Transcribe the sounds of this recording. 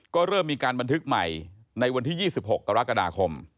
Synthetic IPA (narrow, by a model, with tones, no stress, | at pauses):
kɔː˥˩ɾɤː˥˩mːiː˧kaː˧nba˧nt̪ʰɯ˦˥k̚ma̰˨˩j | na˧jwa˧nt̪ʰiː˥˩jiː˥˩si˨˩p̚ho˨˩k̚kːa˧ɾa˦˥ka˧daː˧kʰo˧m